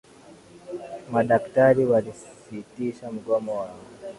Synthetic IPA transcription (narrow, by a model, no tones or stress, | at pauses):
maɗaktaɾiwalissitiʃam̩ɡɔmɔaɾa